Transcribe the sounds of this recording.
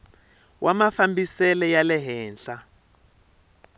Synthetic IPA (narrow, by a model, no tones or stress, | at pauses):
wʔamafambisɛlɛjalɛɦɛːnɬa